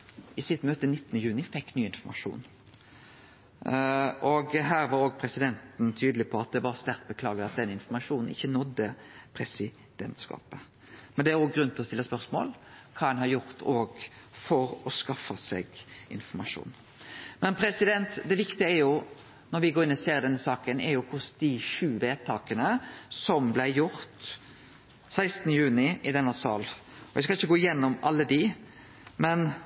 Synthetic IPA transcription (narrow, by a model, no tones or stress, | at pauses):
ɪsɪt̪møːt̪ənɪt̪ːnəjʉːnɪfɛkːnyːɪnfɔmɑʂṵːn | ʔɔɡɦæːɾʋɑɾoːɡ̚pʰɾɛsɪd̪ɛnt̪n̩t̪ʰyːd̪əlɪpʰɔɑt̪̚d̪ɛʋɑɾst̪æɾt̪̚bəkʰlɑːɡəɑt̪̚d̪ɛnːəɪnfɔmɑʂuːnn̩ɪ̰çːənɔd̪ːəpʰɾɛsɪ | d̪̥ɛnt̪skɑ̰ːpə | mɛnd̪ɛæɾoːɡɡɾʉnt̪ʰɔst̪ɪlːəspœɾsmo̰ːlkʰɑːɛnɦɑɾjʊɾt̪ʰoːɡ | fɔɾɔskɑfːɑsɛ̰ɡɪ̰nfɔɾmɑʂṵːn | mɛnpʰɾɛsɪd̪ɛnt̪d̪ɛʋɪkt̪ɪəæɾjʊ | nɔɾʋɪɡoːɾɪnːɔseːɾd̪ɛnːəsɑːkənʔɛɾjʊkʰʊsd̪̥ɪʃʉːʋeːt̪ʰɑːkənəsɔmblæɪjʊɾt̪ | sæɪst̪nəjʉːnɪʔɪd̪ɛnːəsɑ̰ːl | ɔʋɛskɑlɪçːəɡoːɪjɛnːɔmɑlːəd̪ɪ | mɛn